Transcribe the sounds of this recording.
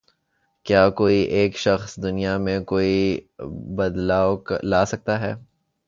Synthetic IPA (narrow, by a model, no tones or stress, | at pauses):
kjaːkoːiʔeːkʃɐxsd̪ʊnijamẽkoːi | bɐd̪laːoklaːsɐk̚t̪aɦɛː